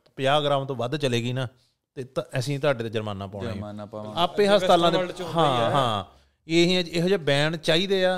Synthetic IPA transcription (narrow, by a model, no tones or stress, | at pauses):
pjaːɡɾaːʋt̪õːʋəd̪t͡ʃəleːɡiːnaː | t̪eːt̪əsĩːt̪ʊaːɖeːt̪aːd͡ʒəɾmaːnãːpaːnã̰ːaːpẽːɦəst̪aːlãːd̪eɦãːɦãː | eːɦĩːɛ̃t͡ʃeɦːd͡ʒaːbɛːɳt͡ʃaːiːd̪eːaː